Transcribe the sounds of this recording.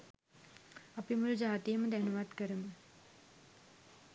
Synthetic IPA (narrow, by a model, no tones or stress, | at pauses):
ɐpimuɭd͡ʑaːt̪ijɐmɐd̪ɐnɐʋaːʈkɐɾɐmɨ